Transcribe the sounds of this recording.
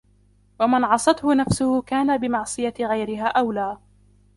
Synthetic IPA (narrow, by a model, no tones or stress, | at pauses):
wamɪnʕɑsˤɑt̪hʊnafsʊhʊkaːnabɪmɑʕsˤɨjaɣajɾɪɦaːʔawlaː